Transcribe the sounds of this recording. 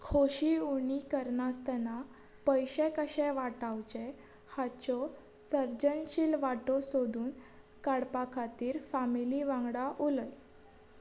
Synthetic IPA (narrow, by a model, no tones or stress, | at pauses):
kʰoɕiuɳ̃ikəɾnast̪ɛna | pəjɕɛ̃kəɕɛ̃ʋaʈawt͡ɕɛ | hat͡ɕɔ | səɾd͡ʑənɕilʋaʈɔsod̪uːn | kaɽpakʰat̪iːɾfamiliʋãŋɡɽaʔuləj